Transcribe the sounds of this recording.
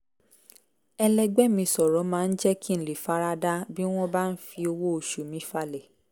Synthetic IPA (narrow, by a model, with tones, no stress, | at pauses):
ɛ˧lɛ˧ɡ͡bɛ˦mĩ˧sɔ˨ɾɔ̃˨˦mãː˨˦˧n̩˦d͡ʒɛ˦ki˦n̩˨li˨fa˨˦ɾa˦da˦bi˦w̃ɔ̃˦ba˦˧n̩˦fi˧o˧wo˦o˨ʃu˨mĩ˨˦fa˦lɛ˨